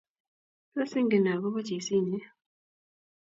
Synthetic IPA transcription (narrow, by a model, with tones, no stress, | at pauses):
a˦si˦ŋɡe˨na˨βo˦βa˦ci˨si˦˨ɲe˦